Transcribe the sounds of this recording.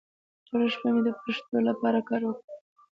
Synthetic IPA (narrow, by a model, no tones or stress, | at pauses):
toɾaʃpamed̪əpɾeʂt̪olapɑɾakɑɾwəkɽi